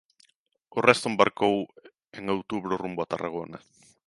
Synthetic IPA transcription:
orest̪oembaɾkow | eŋowt̪uβɾorumboat̪araɣ̞ona

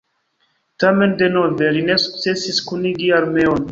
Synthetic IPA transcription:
tame̞nde̞no̞ve̞line̞su̥k̚t͡se̞siskuniɡialme̞on

